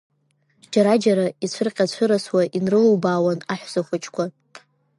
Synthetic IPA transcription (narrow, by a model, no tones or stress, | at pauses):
d͡ʒaɾad͡ʒaɾait͡ɕʷʰɨrqʲʼat͡ɕʷʰɨɾaswaʔinrɨluwbaːwanaħʷz̥aχʷat͡ʃʰkʷʰa